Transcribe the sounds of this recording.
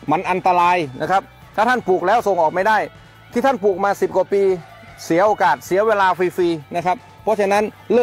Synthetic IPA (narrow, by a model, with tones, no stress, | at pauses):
ma˧nʔa˧nt̪a˧ɾaː˧jna˦˥˩kʰɾa˦˥p̚ | t̪ʰaː˥˩t̪ʰa˥˩npuː˨˩k̚lɛː˦˥wso˨˧ŋʔɔː˨˩k̚ma˥˩jdaː˥˩j | t̪ʰiː˥˩a˥˩npuː˨˩k̚maː˧si˨˩p̚ka˨˩piː˧ | si˩˦ɐʔoː˧kaː˨˩t̪̚si˨˩˦ɐweː˧laː˧fiː˧fiː˧na˦˥kʰa˦˥p̚ʰːɔ˦˥t͡ɕʰa˧na˦˥n | lɯ˥˩